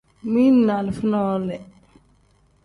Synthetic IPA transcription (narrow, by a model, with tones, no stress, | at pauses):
mi˦nːa˨lɪ˨fi˦nɔ˦lɛ˨